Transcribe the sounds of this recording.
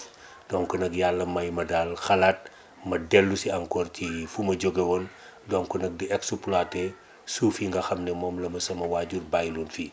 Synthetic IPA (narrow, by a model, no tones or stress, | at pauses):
d̥ɔŋkɔnɐkjalːɐmɐjmɐdaːlxɐlat̚ | mɐdɛlːusiɐŋkɔːrcifumɐɟɔɡɛwɔn | dɔŋkɔnɐk̚diʔɛksuplaːtɛ | suːfiŋɡɐxɐmnɛmɔːmlɐmɐsɐmɐwaɟurbajluːnfi